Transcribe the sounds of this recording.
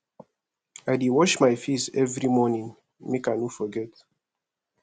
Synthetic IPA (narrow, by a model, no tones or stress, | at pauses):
aɪdiwɔʃmajfisɛvɹimɔnĩŋ | mekaɪnufɔɡɛt